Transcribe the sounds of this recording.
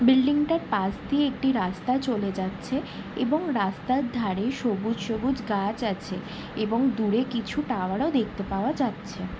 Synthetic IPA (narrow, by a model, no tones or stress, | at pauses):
bilɖiŋʈaɾpast̪ieek̚ʈiɾast̪at͡ɕoled͡ʑatːɕʰe | eboŋɾast̪aɾd̪ʱaɾeʃobud͡ʑʃobud͡ʑɡat͡ɕat͡ɕʰe | eboŋd̪uɾekit͡ɕʰuʈawaɽaod̪ek̚ʰt̪epaoad͡ʑatːɕʰe